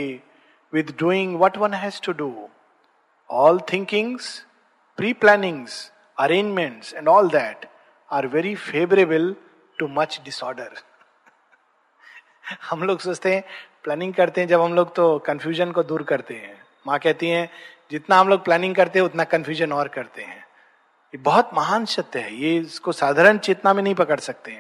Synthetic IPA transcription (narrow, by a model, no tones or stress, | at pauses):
ʋɪd̪ɖuːɪ̃ŋɡʋɔʈʋɐ̃nɦɛzʈuɖuː | ɔːlt̪ʰɪ̃ŋkɪ̃ŋz̥ | pɾiːplɛːnɪ̃ŋz | ɐɾẽːnd͡ʒmɛ̃ɳʈsɛ̃ɳɖɔːld̪ɛːʈ | aːɾʋɛːɾifeːʋəɾebəl | ʈumɐt͡ʃɖɪsɔːɾɖəɾ | hɐmloːɡsoːt͡ʃt̪eɦɛ̃plɛːnɪ̃ŋɡkɐɾt̪eɦɛ̃d͡ʒɐbɦɐ̃mloːɡt̪okɐ̃nfjuːʒənkod̪uːɾkɐɾt̪eɦɛ̃ː | mãkɛɦt̪iɦɛ̃d͡ʒɪt̪naɦɐ̃mloːɡ̚plɛːnɪ̃ŋɡkɐɾt̪eɦɛ̃ʊt̪nakɐ̃nfjuːʒənɔːɾkɐɾt̪eɦɛ̰̃ː | jebɔɦʊt̪mɐɦaːnsɐt̪ɦɛjeʊskosaːd̪ʱaːɾəɳt͡ʃeːt̪namẽnɐɦĩpɐkəɽsɐk̚t̪eɦɛ̃